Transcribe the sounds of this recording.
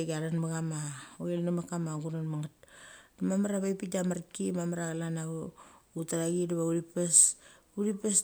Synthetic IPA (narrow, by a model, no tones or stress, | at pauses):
ɡaɾanmaɡamaoelnamakamaŋɡuɾanmaŋat̚namamaɾaβajpitamaɾkimamaɾaɣalana | utaɾaɡidaβauɾipes | uɾipes